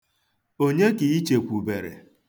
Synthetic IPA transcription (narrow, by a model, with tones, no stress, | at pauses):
o˦ɲe˦ki˨i˦t͡ʃe˨kʷu˨be˨ɾḛ˨